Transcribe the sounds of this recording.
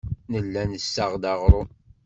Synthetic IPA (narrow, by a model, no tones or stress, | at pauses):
nəlːænəsːaʁd̪ɑʁɾˤʊ